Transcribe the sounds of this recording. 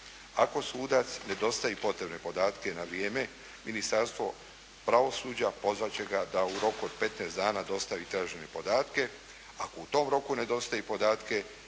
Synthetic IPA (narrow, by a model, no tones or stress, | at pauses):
ako̞suːd̪at̪sne̞d̪o̞st̪aipo̞t̪ɾe̞bne̞po̞d̪aːt̪ke̞naʋɾijeːme̞ | minist̪aɾst̪ʋo̞ | pɾaʋo̞suːd͡ʑapo̞zʋat͡ɕe̞ɡad̪auɾo̞kuod̪̚pe̞t̪neːsd̪aːnaːd̪o̞st̪aʋit̪ɾaːʒenepo̞d̪aːt̪ke̞ | akout̪o̞ːmɾo̞kune̞d̪o̞st̪ajepo̞d̪aːt̪ke̞